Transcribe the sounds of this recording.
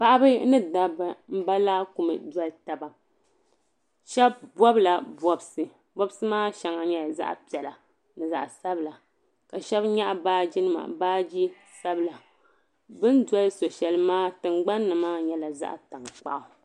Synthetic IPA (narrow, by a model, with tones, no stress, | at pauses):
pa˦ʔa˦bɨ˦nɨ˦da˨bɨ˨m̩˦ba˦laː˦ku˨mɨ̰˨dwɔ˦lta˨ba˨ | ʃɛ˦bbɔ˦bla˨bɔ˦bsɨ˨ | bɔ˦bsɨ˦maː˦ʃɛ˨ŋa˨ɲɛ˦˨za̰˦ʔpi˨ɛ˨la˨ | nɨ˨za̰˨ʔsa˦bɨ˦˨la˨ | ka˨ʃɛ˦bɲa˦ʔbaː˦d͡ʒi˦nɨ˦ma̰˨baː˦d͡ʒi˦ | sa˦bɨ˨la˨ | bɨ˦nda˦lɨ˦so˨ʃɛ˦lɨ˦maː˦tɨ˨ŋɡ͡ba˦nːɨ˨maː˦ɲɛ˦la˨za̰˦ʔta˨ŋ˨k͡pa̰˨ʔʊ˨